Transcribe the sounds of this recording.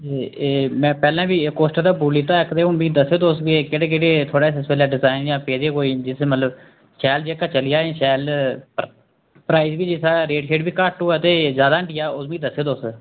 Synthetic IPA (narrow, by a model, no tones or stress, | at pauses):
eeːmɛ̃ːpɛːlãːbiːkoːsʈːd̪aːbuːliːt̪ãːɪkd̪eːʊnbĩːd̪əsːeːd̪oːsɡekeːɽeːkeːɽeːt̪ʰoːɽaːsɪsʋəlaːɖɪzaːɪnjãːpeːd̪eːkoːiːd͡ʒɪsmət̪ləb | ʃɛːld͡ʒeːkːaːt͡ʃəlɪjaːẽːʃɛːl | pɾaːizbiːd͡ʒɪsaːɾeːʈkeːʈbiːkəʈoːɛːt̪eːzjaːd̪aːəɳʈɪjaːʊsbĩːd̪əsːeːd̪oːs